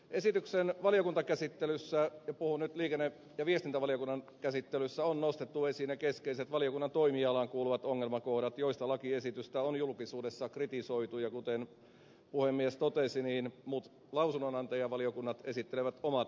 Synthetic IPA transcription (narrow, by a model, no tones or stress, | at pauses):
esit̪yksenʋɑlijokunt̪ɑkæsit̪ːelysːæjɑpuhunyt̪liːkenːe | jɑʋiest̪int̪æʋɑlijokunːɑnkæsit̪ːelysːæonnost̪et̪ːuesinekeskeiset̪ʋɑlijokunːɑnt̪oimiɑlɑŋkuːluʋɑt̪oŋːelmɑkohdɑt̪joist̪ɑlɑkiesit̪yst̪æonjulkisuːdesːɑkrit̪isoit̪ujɑkut̪en | puhemːiest̪ot̪esiniːnmut̪ | lɑusunonɑnt̪ɑjɑʋɑliokunːɑt̪e̞sit̪ːeleʋæt̪omɑt̪